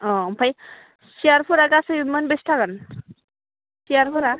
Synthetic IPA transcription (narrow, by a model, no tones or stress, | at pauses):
ɔ̃mpʰaj | siaɾpʰuɾaɡasɯjmənbesʈʰaɡan | siaɾpʰɔɾa